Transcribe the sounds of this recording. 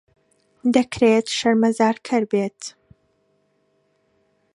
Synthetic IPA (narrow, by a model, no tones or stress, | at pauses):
d̪ɐkɾet̪ʃɐɾmɐzaːɾkʰɨɾbeːt̪